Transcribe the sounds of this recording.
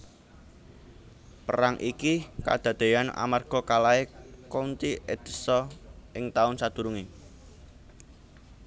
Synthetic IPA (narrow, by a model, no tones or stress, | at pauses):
pəɾaŋʔikika̰d̪̥ä̤d̪̥e̤jana̰marɡ̥ɔ̤kalaekont͡ʃiʔed̪̥ə̤̥sɔʔɪŋt̪aʊnsad̪̥ṳɾuŋi